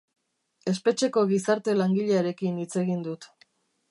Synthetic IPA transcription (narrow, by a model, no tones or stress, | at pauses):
e̞spe̞t͡ʃe̞ko̞ɣ̞isaɾt̪e̞laŋɡiʎeaɾe̞kinit͡se̞ɣind̪ut̪